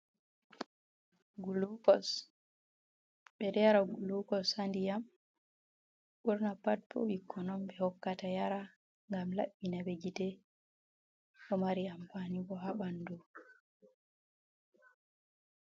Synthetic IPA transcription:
ɡuluɔs | ɓɛɗɛjaɾaɡulukɔsandijam | ɓuɾnapad̚bɔ̰ɓikʰːɔnɔmbɛhɔkːatajaɾa | ŋɡamla̰ɓːinaɓed͡ʒitɛ | ɗɔmaɾiampanibɔɦaɓandu

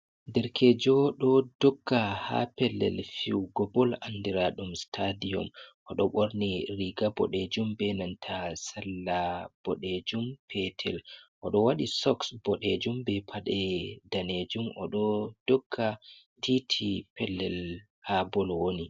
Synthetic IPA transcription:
dɛɾkʰɛd͡ʒɔɗɔdɔɡːaha̰pɛlːɛ̰lfiwɡɔbɔlanːdiɾaɗumstʰadijɔ̰mʔɔɗɔɓoɾniɾiɡabɔ̰ɗed͡ʒumbɛnantʰasalːab̥ɔɗed͡ʒumpʰɛtʰɛ̰lʔɔɗɔwaɗisɔksbɔɗed͡ʒumbɛpʰaɗɛdaned͡ʒumʔɔ̰ɗɔd̥ɔɡːa | tʰitʰipʰɛlːɛl | habɔlwoni

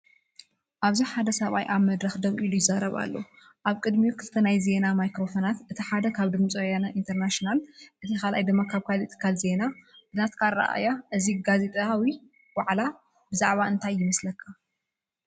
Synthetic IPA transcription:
ʔaβziħad̪ɐsɐβa̰jʔaβmɐd̪ɾɐxd̪ɐβʔilujɪzaɾɐβa̰lːo | ʔaβkʼɨd̪miukʰɨlɨt̪ʰːɐnajze̞namajkɾo̞fonat̪ʔɨt̪ʰiħad̪ɐkʰaβd̪ɨmt͡sʼjanɐʔint̪ʰɐɾnaʃonalʔɨt̪ʰikalʔa̰jd̪ɨmːakʰaβkʰaliɨt̪ʰːɨ̥kʰːalze̞nabɨnat̪kʰaa̰ʔa̰jaʔɨziɡaze̞t̪ʼawi | waʕla | bɨzaʕβaɨnt̪ʰajːɪmɐslɐkʰːa

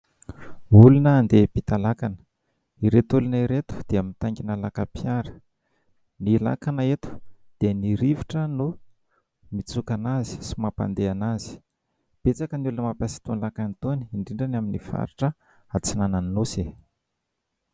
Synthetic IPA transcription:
ulunəːnd̪ebit̪alakanə̥ | iɾet̪ulunaiɾet̪u̥d̪̥eamit̪aŋɡʲinalakapʰjaɾə̥ | nila̰kanaet̪u̥d̪̥eniɾiviʈ͡ʂənu | mit͡sukanazi̥si̥mapa̰nd̪eanaz̥i̥ | b̥et͡sakəniulunəmapasi̥t̪unlakanit̪oniːɳɖ͡ʐiɳɖ͡ʐanaminifa̰ɾiʈ͡ʂə | at͡sinananinuse

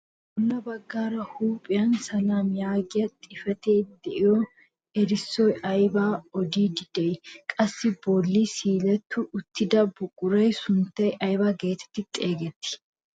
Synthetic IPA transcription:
ʔʊnːɐbɐɡːaːɾɐhuːpʼːɪjɐnsɐlaːmjaːɡɪjɐt̪ʼɪfɛt̪eːd̪ɛʔɪjɔ | ɛɾɪsːɔjʔɐjbaːɔd̪iːd̪ɪd̪ɛjkʼɐsːɪboːlːisiːlɛt̪ːʊʔʊt̪ːɪd̪ɐbʊkʼʊɾɐjsʊnt̪ːɐjʔɐjbaɡe̞ːt̪ʰɛ̥t̪ːɪt̪ʼe̞ːɡɛt̪ːɪ̥

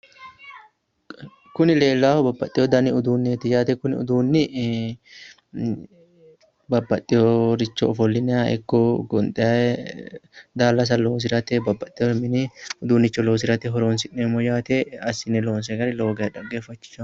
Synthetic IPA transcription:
kʊnɪle̞ːlːaːhɔbɐbːɐt̪ʼːɪjɔd̪ɐnɪʊd̪uːnːeːt̪ːɪjaːt̪ɛkʊnɪʊ̰d̪uːnːɪ | bɐbːɐt̪ʼːɪjoɾɪt͡ʃːɔɔfɔlːɪnɛaɛ̰kːɔɡɔnt̪ʼɛɐɛ | d̪aːlːɐs̬ɐloːs̬ɪɾɐt̪ɛbɐbːɐt̪ʼːɪjomɪnɪʊd̪uːnɪt͡ʃːɔloːs̬ɪɾɐt̪ɛɦɔɾoːnsɪʔeːmɔjaːt̪eɐsɪnɛloːnsɛɡɐɾɪlo̞ːɡɐɐᶑɐɡːeːfːɐt͡ʃːɪ̥t͡ʃːɐ

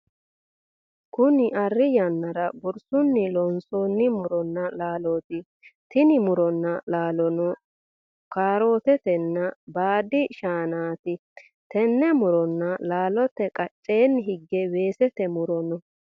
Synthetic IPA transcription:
kʊnɪʔɐrːɪjɐnːɐɾɐbɔɾsʊnːɪlɔnsonːɪmʊɾɔnːɐlaːloːt̪ɪ | t̪ɪnɪmʊɾɔnːɐlaːlɔnɔ | kaːɾo̞ːt̪ɛt̪ɛnːɐbaːd̪ɪʃaːnaːt̪ɪ | t̪ɛnːɛmʊɾɔnːɐlaːlɔt̪ːɛkʼɐt͡ʃʼːe̞ːnːɦɪɡːɛwe̞ːsɛt̪ɛmʊɾɔnɔ

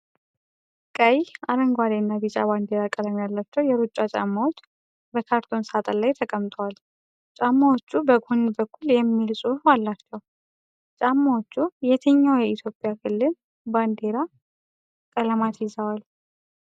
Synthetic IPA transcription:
kʼəjaɾəŋɡʷwad̪eɨnːabit͡ʃʼa̰band̪e̞ɾakʼələmjalːat͡ʃːɛwjɛɾut͡ʃʼːat͡ʃʼa̰mːawot͡ʃː | bəkʰaɾt̪ʰo̞nsat̪ʼəlajt̪ʰəkʼəmt̪ʼəwal | t͡ʃʼamːawot͡ʃːubəɡonnbəkʰːuljɛmːilsʼualːat͡ʃːɛw | t͡ʃʼamːawot͡ʃːujɛt̪ʰəɲːawjɛit̪ʰjo̞pʼɪjakʰɨlːɨl | band̪e̞ɾa | kʼələmat̪ʰjɪzəwal

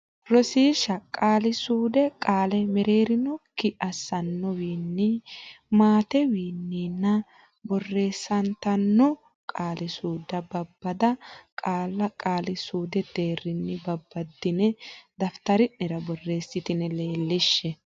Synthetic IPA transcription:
ɾɔsiːʃɐkʼːaːlɪsuːd̪ɛkʼaːlɛmɛɾe̞ːɾɪnɔkɪʔɐsːɐnːɔwiːnːi | maːt̪ɛwiːnːiːnːɐ | bɔrːe̞ːsːɐnt̪ɐnːɔ | kʼaːlɪsuːd̪ɐbɐbːɐd̪ɐkʼaːlːɐkʼaːlɪsuːd̪ɛd̪e̞ːrɪnːɪbɐbːɐd̪ːɪnɛd̪ɐft̪ɐɾɪnːɛɾɐbɔrːe̞ːsːɪt̪ɪnɛleːlːɪʃːɛ

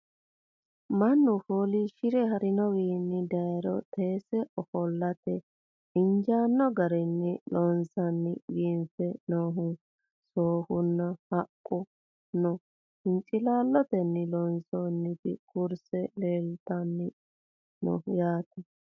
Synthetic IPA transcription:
mɐnːʊfoːliʃɪɾɛɦɐɾɪnɔwiːnːɪd̪ɐjɾɔ̰t̪ʰeːsɛʔɔfɔlːɐt̪ɛ | ɪnd͡ʒaːnːɔɡɐɾɛnːɪlɔnsɐnːɪwiːnfɛnoːɦʊ | soːhʊnːɐhɐkʼːɔ | nɔ | hɪnt͡ʃʼɪlaːlːɔt̪ɛnːɪlɔnsoːnːɪt̪ɪkʊɾsɛleːlt̪ɐnːɪ | nɔ̰hjaːt̪ɛ

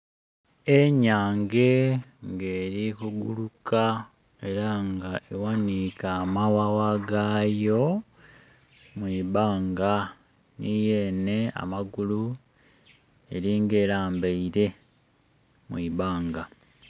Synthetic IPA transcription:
eɲaːŋɡe̞ŋɡeːɾikuɡuluka | e̞ɾaŋɡaʔewanikaːmawawaɡajo̞ | mwiːβaːŋɡa | nije̞ne̞a̰maɡulu | e̞ɾiːŋɡe̞ːɾaːmbeiɾe̞ | mwiːβaːŋɡa

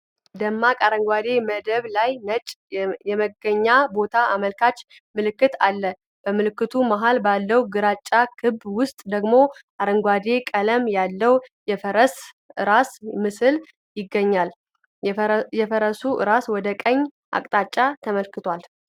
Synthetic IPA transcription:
d̪əmːakʼaɾəŋɡʷad̪e̞məd̪əβlajnət͡ʃʼjɛməɡəɲːabo̞t̪ʰaaməlkʰat͡ʃʼː | mɨlɨkːɨt̪alːə | b̥əmɨlɨkːɨt̪ʰumaɦalbalːəwuɡɨɾat͡ʃʼːakʰɨbwʊst̪ʼd̪əɡmo̞ | aɾəŋɡʷad̪e̞kʼələmjalːəwjɛfəɾəs | ʔɨɾasmɨsɨl | jɪɡːəɲːal | jɛfəɾəsuʔɨ̰ɾaswɔd̪əkʼəɲː | ʔa̰kʼt̪ʼat͡ʃʼːat̪ʰəməlkɨt̪ʰwal

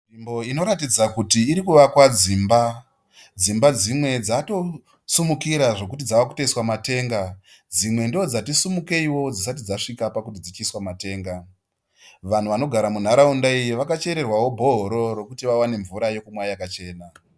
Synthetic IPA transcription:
imbo̞ino̞ɾatid͡zakutiːɾikuʋakwad͡ziːmba | d͡zimbad͡zimwe̞d͡zato̞ | sumukiɾaʐo̞kutid͡zawaku̥teiswamate̞ːŋɡad͡zimwe̞ndod͡zatisumuke̞iwo̞d͡zisat̬id͡zaʂikapakutid͡zit͡ʃiswamate̞ːŋɡa | ʋan̤uʋano̞ɡʱaɾamun̤aɾaundaijiʋakat͡ʃe̞ɾe̞rwawo̞bʱo̞ɦoɾo̞ɾo̞kutiʋawane̞ɱvuɾajo̞kumwajakat͡ʃe̞ːna

